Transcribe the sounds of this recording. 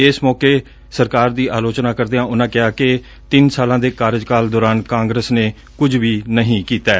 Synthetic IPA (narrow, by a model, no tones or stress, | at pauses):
ɪsmɔːkeː | səɾkaːɾd̪iːʔaːloːt͡ʃnaːkəɾd̪eːãːʊnãːkɪɦaːkɪ | t̪ɪnsaːlãːd̪eːkaːɾd͡ʒkaːld̪ɔːɾaːnkãːŋɡɾəsneː | kʊd͡ʒʋiːnəɦĩːkiːt̪ɛː